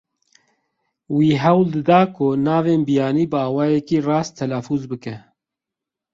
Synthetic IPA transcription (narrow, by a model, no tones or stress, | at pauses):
wiːɦɛwld̪ɨd̪ɑːkʰʊnaːveːnbijaːniːbɨɑːwɑːjɛkiːrɑːstt̪ʰɛlaːfuːzbɨkɛ